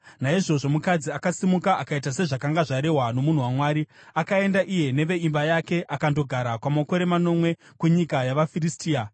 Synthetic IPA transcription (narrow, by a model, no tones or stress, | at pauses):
naiʐo̞ʐo̞mukad͡ziakasimukaʔakaitase̞ʐakaŋɡaʐaɾe̞ɦwano̞mun̤uwamwaːɾiakae̞ndaʔije̞ne̞ʋe̞imbajake̞ʔakando̞ɡʱaɾakwamako̞ɾe̞mano̞mwe̞ | kuɲikajaʋafiristiːa